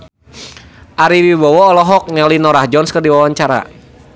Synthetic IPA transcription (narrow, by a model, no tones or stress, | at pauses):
ʔaɾiwibɔwɔːlɔɦɔk̚ɲalinɔɾahd͡ʒɔnskɨrdiwawaɲt͡ʃaɾa̰